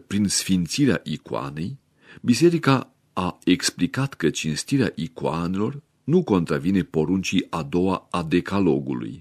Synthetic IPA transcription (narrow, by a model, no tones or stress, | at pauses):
pɾinsfint̪siɾea̰ʔikoa̰ne̞j | bise̞ɾika | aeksplikat̪kət͡ʃinst̪iɾeaʔikoanelo̞r | nuko̞nt̪ɾavine̞po̞ɾunt͡ʃiad̪o̞waad̪e̞kalo̞ɡṵlṵj